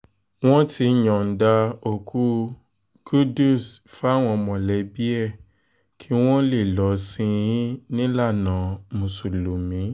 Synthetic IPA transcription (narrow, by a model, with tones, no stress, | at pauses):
w̃ɔ̃˦ti˧˨jɔ̃˨n̩˨da˧o˨kʰu˦ | ɡ̥u˦du˦˨sfa˨˦˨w̃ɔ̃˧mɔ̃˨lɛ˨˦bi˦ɛ˦˨ | kʰi˦w̃ɔ̃˦le˦˨lɔ˨˦sĩ˧j̃ĩ˦nĩ˦la˦˨nã˨˦mũ˨su˨lo˨mĩ˨˦